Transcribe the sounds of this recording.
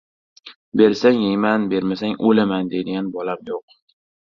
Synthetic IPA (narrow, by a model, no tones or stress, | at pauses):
be̞ɾsaŋemanbe̞ɾmasaŋʔolamand̪ejd̪ɪɡʲanbɒlapjoq